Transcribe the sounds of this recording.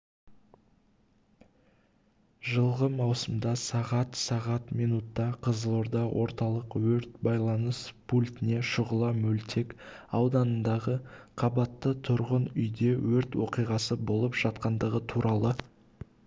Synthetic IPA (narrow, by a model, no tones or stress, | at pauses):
ʒəlˠʁəmɑwsəmd̪ɑsɑʁɑt̪sɑʁɑt̪mijnut̪ːɑqʰəzəlˠoɾd̪ɑwʔo̞̰ɾt̪ɑlˠəqwɵɾt̪bɑjlˠɑnəspʰulʲt̪ɪne̞ʃʊʁəlˠɑmɵlt̪ʰe̞kɑwd̪ɑnənd̪ɑʁəqʰɑbɑt̪ːət̪ʰʊɾʁənʏjd̪e̞wɵɾt̪wo̞qijʁɑsəbo̞lˠəpʒ̥ɑt̪̚qɑnd̪əʁət̪ʰuɾʔɑlˠə